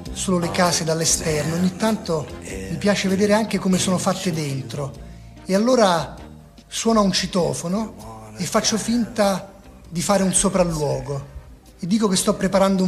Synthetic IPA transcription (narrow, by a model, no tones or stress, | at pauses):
soːlolekaːsed̪alːest̪ɛrnoːɲːit̪ːant̪omipjaːt͡ʃeved̪eːɾeaŋk̟ekomesoːnofat̪ːed̪ent̪ɾo | ealːoːɾa | swɔːnaunt͡ʃit̪ɔːfonoefːat͡ʃːofint̪a | d̪ifaːɾeunsopɾalːwɔːɡo | ed̪ːiːkokest̪ɔpːɾepaɾand̪ou